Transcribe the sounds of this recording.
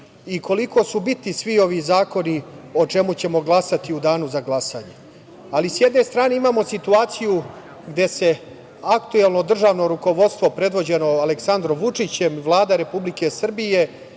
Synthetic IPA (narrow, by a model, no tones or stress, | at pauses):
iko̞liko̞ːsubit̪nisʋio̞ʋizaːko̞nio̞t͡ʂe̞mut͡ɕe̞mo̞ɡlˠasat̪iud̪aːnuzaɡlˠasaːɲe̞ | alisjed̪ne̞st̪ɾaːne̞imaːmo̞sit̪uaːt̪siju | ɡd̪e̞se̞ | akt̪uelˠno̞d̪r̩ʒaːʋno̞ɾuko̞ʋo̞dt̪st̪ʋo̞pɾe̞d̪ʋo̞d͡ʑe̞no̞aleksand̪ɾo̞mʋut͡ʂit͡ɕemʋlˠaːd̪aɾe̞publike̞sr̩bije̞